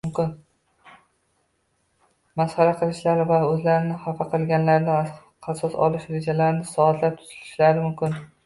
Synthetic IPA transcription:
mkʲɪn | masχɑɾaqʰɨlˠɪʃlaɾɪvaɵzlaɾɪnɪhafaqʰɨlˠɡʲanlaɾd̪a | asɒsɒ̰lˠɪʃɾe̞d͡ʒalaɾɪnɪsɒat̪ʰlaɾ̚t̪ʰʊ̥zɪ̥lɪʃlaɾɪmʊmkʲɪn

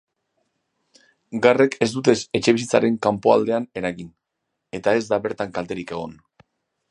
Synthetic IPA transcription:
ɡare̞kʰe̞zd̪ut̪e̞se̞t͡ʃe̞β̞isit͡saɾe̞ŋkampo̞a̰ld̪e̞ane̞ɾaɣin | e̞t̪ae̞zd̪aβe̞ɾt̪aŋkalt̪e̞ɾike̞ɣ̞o̞̰n

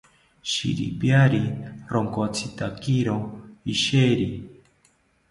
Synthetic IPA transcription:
ʃḭɾḭpjaɾiɾoŋkot͡sʰit̪akiɾoiʃeɾi

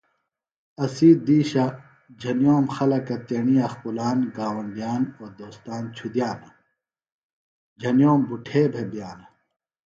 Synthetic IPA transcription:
ɐsiːd̪iːɕa | d͡ʑʱɐnjoːmxɐlɐkɐt̪eɳiɐxpulaːnɡaːwɐnd̪ijaːnoːɾd̪oːst̪aːnt͡ɕʰud̪jaːnɐ | d͡ʑʱɐnjoːmbuʈʰeːbʱebijaːnɐ

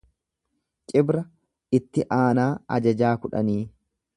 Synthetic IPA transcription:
t͡ʃʼɪbɾɐ | ɪt̪ːɪʔaːnaːɐ̰d͡ʒɐd͡ʒaːkʊᶑɐ̰niː

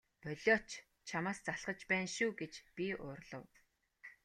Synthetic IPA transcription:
pœɮʲɔt͡ɕ | t͡ɕʰamaːst͡saɮʁə̆t͡ɕpæːnʃuːɡet͡ɕpʲiʊːrɮə̆w

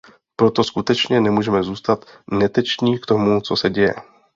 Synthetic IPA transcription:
pɾo̞t̪o̞skut̪ɛt͡ʃɲɛnɛmuːʒɛmɛzuːst̪at̪nɛt̪ɛt͡ʃɲiːkt̪o̞mut͡so̞sɛɟɛjɛ̰

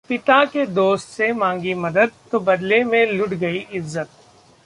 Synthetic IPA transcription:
pɪt̪aked̪oːst̪semãːŋɡimɐd̪əd̪̚t̪obɐd̪lemẽlʊʈɡɐiʔɪzːət̪̚

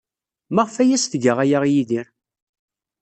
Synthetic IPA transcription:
maʁfæjæsθɡəʁæjaʁjiðiɾ

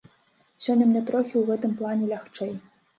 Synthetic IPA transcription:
sʲɔnʲɐmʲnʲɛt̪ɾɔxʲiwɣɛt̪ɨmplˠanʲɛlʲaxt͡ʂɛj

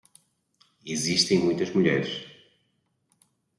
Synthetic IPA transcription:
iziʃt̪ẽj̃mũj̃t̪ɐzmuʎɛɾʃ

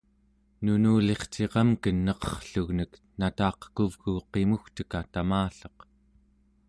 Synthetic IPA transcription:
nunuːle̞χt͡ʃe̞ʁɑmkənːʌqʌ̥χɬuɣnəknat̪ɑːqə̥kuvɣuqe̞muxt̪ə̥kat̪amaːɬʌ̥q

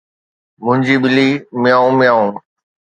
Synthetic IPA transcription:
mʊ̃ɦɪ̃ɲd͡ʑiːɓɪliːmɪjaːũmɪjaːũː

